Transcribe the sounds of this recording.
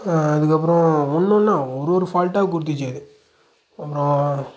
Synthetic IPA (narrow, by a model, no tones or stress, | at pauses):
aɐðɯkːɐpːɾɔ̃ʊnːʊ̃nːaːɔɾoɾɯfaːlʈaːkʊɽɯt̪̬ːɪt͡ʃːɐðɯ | ɐpːɾɔ̃